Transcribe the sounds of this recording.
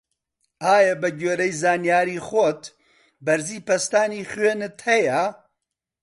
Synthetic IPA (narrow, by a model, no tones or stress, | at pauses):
aːjɐbɐɡeːɾɐjzaːnijaːɾiːxot̪ | bɐɾziːpɐst̪aːniːχwɥeːnɨt̪hɐjɐ